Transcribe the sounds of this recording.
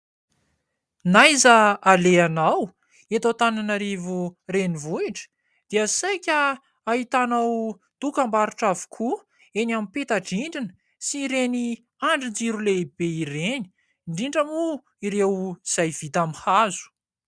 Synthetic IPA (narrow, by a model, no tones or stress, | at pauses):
najzəaleanaw | et̪awt̪ananaɾivurenivuiʈ͡ʂə̥ | d̪̥iasajkʲə | aɦit̪anaw | d̪̥ukambaɾuʈ͡ʂavu̥kʰu | enamipet̪aɖ͡ʐiɳɖ͡ʐinə̥ | siɾeni | aɳɖ͡ʐind͡ʒiɾuleb̥eiɾeni̥ | ɳɖ͡ʐiɳɖ͡ʐamu | iɾewiz̥ajv̥it̪amihazu̥